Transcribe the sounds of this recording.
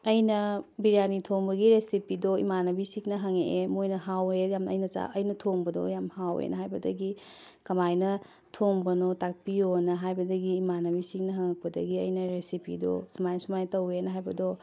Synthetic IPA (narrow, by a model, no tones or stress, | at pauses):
ɐjnɐbiɾianitʰoŋbɐɡiɾesipidoḭmanɐbisiknɐɦɐŋeʔemojnɐɦawejamɐ̰jnɐt͡ʃa̰ʔɐjnɐtʰoŋbɐdo̰jamhawḛnɐɦajbɐdɐɡi | kɐmajnɐ | tʰoŋbɐnotak̚pionɐɦajbɐdɐɡiːmanɐbisik̚nɐɦaŋɐk̚pɐdɐ̰ɡiɐjnɐɾesipḭdo̰sumajsumajtɐwenɐɦajbɐdo